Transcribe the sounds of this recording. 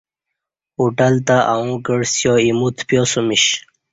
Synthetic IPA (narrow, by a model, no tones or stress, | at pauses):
uʈalt̪aʔaũɡəɽsjoimut̪ʰpjosumiɕ